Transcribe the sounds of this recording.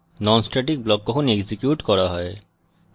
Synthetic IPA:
nɔnsʈɾaʈik̚blɔkːɔkʰoneɡzikjuʈkɔɾaɦɔe

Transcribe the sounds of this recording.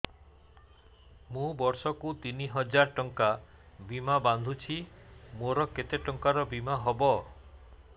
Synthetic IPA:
mũbɔɾsɔkut̪iniɦɔd͡ʒaɾʈɔŋka | bimaband̪ʱut͡ʃʰimoɾɔket̪eʈɔŋkaɾɔbimaɦɔbɔ

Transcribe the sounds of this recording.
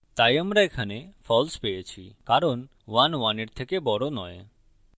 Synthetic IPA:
t̪ajəmɾajkʰanefʰɔlspejet͡ʃʰikaɾɔn | ʋanʋaniɾt̪ʰekebɔɾonɔj

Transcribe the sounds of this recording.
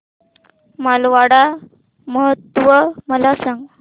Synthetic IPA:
malʋaɽa | məɦət̪ːʋəməlasãŋɡ

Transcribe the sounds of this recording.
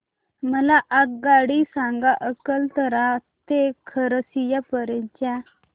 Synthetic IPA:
məlaʔak̚ɡaɽisãŋɡaʔəkəlt̪əɾat̪ekʰəɾəsijapəɾə̃ɲt͡ɕja

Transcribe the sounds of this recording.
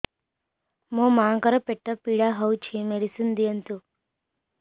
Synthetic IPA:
mõmãkəɾəpeʈːəpiɽaɦəwt͡ɕʰimeɽisund̪ijənt̪u

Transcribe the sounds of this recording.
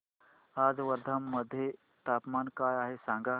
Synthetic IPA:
aːd͡zʋəɾd̪ʱəmːəd̪ʱje | t̪apmaːnkaːjaɦesãŋɡa

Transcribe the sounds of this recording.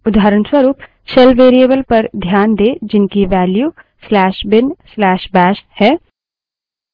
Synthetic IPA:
ʊd̪ʱaːɾənswɐɾuːp | sɛlʋeːɾiebəlpɐɾd̪ʱjaːnd̪eːd͡ʒɪnkiʋɛːljuː | slɛːʃbɪnslɛːʃbɛːʃhɛː

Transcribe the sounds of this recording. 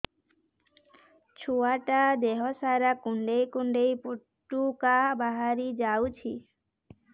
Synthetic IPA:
t͡ʃʰuaʈad̪eɦɔsaɾakuɳɖejkuɳɖejpuʈːukabaɦaɾid͡ʒawt͡ʃʰḭ

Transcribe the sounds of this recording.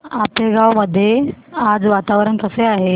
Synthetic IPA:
apleɡawməd̪ʱːjead͡zʋat̪aʋɾəɳk̪əseaɦe

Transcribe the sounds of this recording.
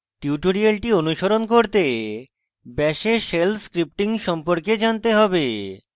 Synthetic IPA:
ʈiuʈoɾialʈionuʃoɾonkoɾt̪e | bɛʃeʃelskɾip̚ʈiŋʃɔmpoɾked͡ʑant̪eɦɔbe

